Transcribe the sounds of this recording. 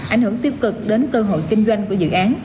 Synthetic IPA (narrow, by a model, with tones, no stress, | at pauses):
ʔa̰˧˩jhɨ˧˩əŋt̪i˦˧˥əp̚kɨ˨˩k̚ɗe˨˦nkəː˧ɦo̰˧˨jkï˧ŋ̟zwa˧jŋ̟ku˧˩əzɨ̰˧˨ʔaː˨˦n